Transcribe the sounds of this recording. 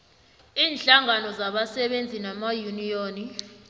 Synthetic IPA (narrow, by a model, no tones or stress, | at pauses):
iːnɬaŋanɔzaɓasɛɓend͡zʱinamajunijoːni